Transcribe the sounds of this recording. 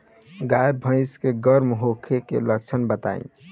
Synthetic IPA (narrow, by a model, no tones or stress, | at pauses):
ɡajbʱə̃ɪ̃skeɡəɾmɦokʰekḛlək̚t͡ʃʰənbət̪a̰ḭ̃